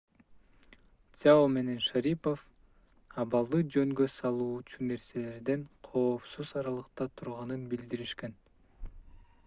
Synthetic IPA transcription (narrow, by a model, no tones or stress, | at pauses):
aome̞ne̞nʃaɾipo̞f | ɑβɑlˠd̪ɯd͡ʒøŋɡøsɑlˠuːt͡ʃune̞ɾse̞le̞ɾd̪e̞ɴqʰo̞ːpsuzɑɾɑlˠɯqt̪ɑt̪ʰuɾʁɑnɯnbild̪iɾiʃke̞n